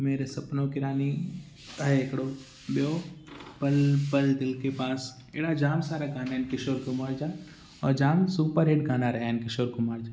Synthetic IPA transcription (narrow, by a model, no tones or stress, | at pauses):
meːɾesɐpnõkɪɾaːni | t̪aɦeekɽo | ɓjopəlpəld̪ɪlkepaːs | ḛːɽad͡ʒaːmsaːɾaɡʱaːnankɪʃoːɾkʊmaːɾd͡ʒaː | ɔːɾd͡ʒaːmsuːpəɾɦeːɖɡʱaːnaɾɐɦaːnkɪʃoːɾkʊmaːɾd͡ʒaː